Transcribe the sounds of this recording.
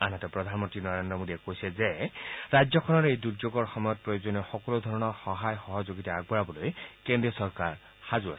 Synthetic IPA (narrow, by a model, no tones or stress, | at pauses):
anatɛpɹɔd̪ʱanmɔntɹinɔɹendɹɔmodiɛkojsɛzeɹajzɔkʰɔnɔɹejduɹzoɡɔɹxɔmɔjɔt̚pɹojozɔnɔxɔkɔlod̪ʱɔɹɔnɔɹxɔɦajxɔɦɔzoɡitaaɡ̚bɔɹabɔlojkẽndɹiɔsɔɹkaɹ | xazua̰sɛ̥